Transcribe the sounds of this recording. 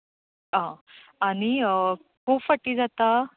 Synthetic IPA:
ãaɽ̃i | kofəʈːiːd͡zat̪a

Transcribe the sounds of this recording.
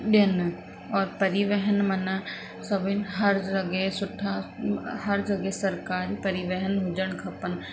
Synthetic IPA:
ɗijən | ɔːɾpɐɾiʋəɦənmɐna | sɐbʱɪnɦɐɾɾɐɡesʊʈʰahɐɾd͡ʒɐɡesɐɾkaːɾipɐɾiʋəɦənɦʊd͡ʒəɽ̃kʰɐpən̆

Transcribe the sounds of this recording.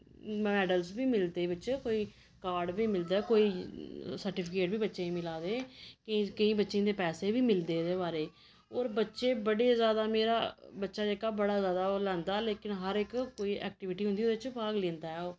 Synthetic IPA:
mɛːɖəlzbiːmɪld̪eːbɪt͡ʃkoːiː | kaːɾɖbiːmɪld̪aːɛkoːiːsəɾʈɪːpʰɪkeːʈbiːbətːʃẽːĩmɪlaːd̪eːkəĩːkəĩːbətːʃẽːd̪eːpɛːseːbiːmɪld̪eːd̪eːbaːɾeː | oːɾbətːʃeːbəɽeːzjaːd̪aːmeːɾa̰ːbətːʃaːd͡ʒeːkaːbəɽaːzjaːd̪aːolɛ̃ːnd̪aːleːkɪnɦəɾɪkkoːiːʔɛ̰ːk̚ʈɪʋɪʈiːɦʊnd̪iːod̪eːɪt͡ʃpaːɡlẽːnd̪aːɛːoː

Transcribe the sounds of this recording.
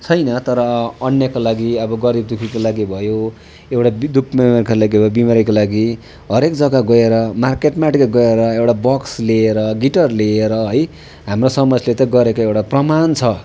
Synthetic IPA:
t͡sʰʌjnʌt̪ʌɾʌːnjʌkolaɡiʌbʌɡʌɾib̚d̪ukʰikolaɡibʱʌjo | ewʈad̪ukʰmimerkalaɡibʱʌbimʌɾikolaɡi | ɦʌɾekd͡zʌɡaɡʌeɾʌmarkeʈmaʈkaɡʌeɾʌewʈabʌksleːɾʌɡiʈʌrleːɾʌɦʌj | ɦamrosʌmʌsʰlet̪ʌɡʌɾekoewʈaprʌmant͡sʰʌ

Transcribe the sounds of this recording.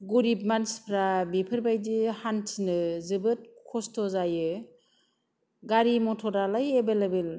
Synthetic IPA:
ɡuɾip̚manspʰɾabipʰɯɾbajdihantʰinɯzɯbɯt̚kʰɔstʰɔzajɯ | ɡaɾimɔtʰɔɾalajebelebel

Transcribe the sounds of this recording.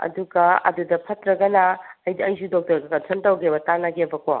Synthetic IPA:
ɐ̰duɡɐɐ̰dudɐpʰɐtɾɐɡɐnɐːjdɐjzudok̚tɐɾɡɐkɐsʰɐntɐwɡebɐtanaɡebɐkʰo̰

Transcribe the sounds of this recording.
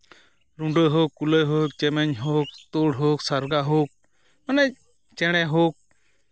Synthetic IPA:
ɾuɳɖojɦokːuləjɦok̚t͡ʃɛmɛɲɦok̚t̪oɽɦoːksaɾɡaɦok̚ | mənɛ | t͡ʃɛɽ̃ɛɦok̚

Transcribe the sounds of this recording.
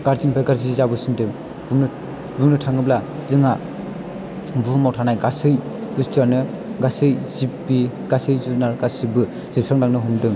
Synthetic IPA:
ɡ̥aɾzinbʰajɡaɾziizabɯsindɯŋ | buŋnɯ | buŋnɯtʰaŋɯblazɯŋa | bumawtʰanajɡasɯj | bɯstanɯ | ɡasɯjzibbi | ɡ̥asɯjzunaɾɡasɯbɯ | z̥iɾpʰɾaŋnaŋnɯɦumdɯŋ

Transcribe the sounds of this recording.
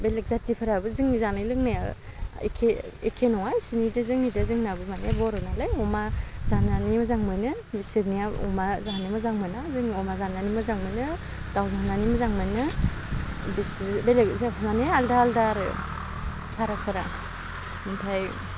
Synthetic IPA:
belek̚zadipʰɯɾabɯzɯŋizanɯjlɯŋnajaḛkʰeekʰenɔŋajsinidɯzɯŋnidɯzɯŋnabɯmaneabɔɾɔnalajɔmazananimɯzaŋmɯnɯ | isiɾnijaɔ̰mazanimɯzaŋmɯnazɯŋɔmazananimɯzaŋmɯnɯ | tawzananimɯzaŋmɯnɯ | bisbelekzapʰananealdaaldaɾɯ | pʰaɾapʰɯɾa̰ | mupʰaj

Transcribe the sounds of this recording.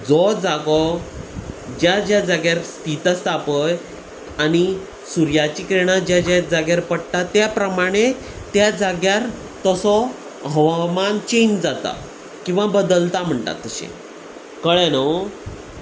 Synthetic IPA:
d͡zɔd͡zaɡɔ | d͡ʑjad͡ʑjad͡zaɡjaɾst̪it̪ast̪ʰapəj | ani | suɾjat͡ɕikɾeɽ̃ad͡ʑjad͡ʑad͡zaɡjaɾpəɽt̪at̪japɾəmaɽ̃e | t̪jad͡zaɡjaɾ | t̪əsɔ | ɦəʋamant͡ɕend͡zat̪a̰ | kĩw̃ʋabəd̪əlt̪am̤əɳt̪a̰t̪ːəɕḛ̃ | kəɭɛno

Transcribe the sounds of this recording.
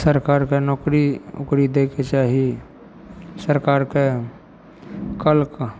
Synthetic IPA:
səɾkaːɾkenɔːkɾiʊ̰kɾid̪eːkʰet͡ʃaːɦie | səɾkaːɾke | kəlk

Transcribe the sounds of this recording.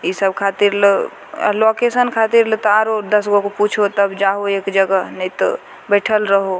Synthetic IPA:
isəb̚kʰat̪iɾl̰ | lokesənkʰat̪iɾlət̪aɾod̪əsɡokoput͡ʃʰot̪əbd͡ʒaɦoekd͡ʒəɡənit̪o̰ | bɛʈʰəlɾəɦo

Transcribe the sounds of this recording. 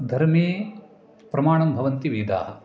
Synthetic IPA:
d̪ʱɐɾmiː | pɾɐmaːɳɐmbʱɐʋɐnt̪iʋiːd̪a̰ːɦɐ

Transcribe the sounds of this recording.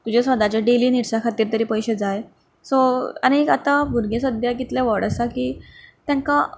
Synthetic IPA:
t̪ud͡ʑasʋad̪at͡ɕeɖeliːniɽsakʰat̪iːɾt̪əɾiːpəjɕed͡zaj | sɔa̰ñiekat̪abʱuɾɡʱesəd̪ʱjaɡit̪lɛʋɔɽəsakiːt̪jãŋka

